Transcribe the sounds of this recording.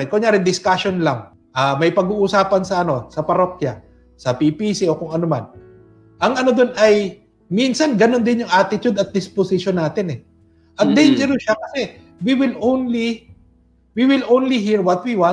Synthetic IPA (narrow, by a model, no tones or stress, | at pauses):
ɛnkʊŋɲjaːɾɪnd̪ɪskaʃonlaŋ | ʔaːmɐjpɐɡuːʔʊsaːpɐnsɐɐno̞sɐpɐɾokjɐ̰ | sɐpipisio̞kʊŋɐnoma̰n | ʔɐŋɐno̞d̪onʔɐj | minsɐnɡɐno̞nd̪ɪnjʊŋʔaːt̪ɪt̪ʊd̪ɐt̪̚d̪ɪsposɪʃonːaːt̪ɪnɛ | ʔɐt̪̚d̪ɛnd͡ʒɛɾʊʃakɐsɛ | wiwɪlʔownli | wiwɪlownliɦiɹwɐt̪̚wiwa